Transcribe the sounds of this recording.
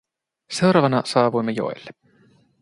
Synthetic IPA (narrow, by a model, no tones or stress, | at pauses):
se̞wɾɑːʋɑnɑsɑːʋujmːejo̰ḛlːe̥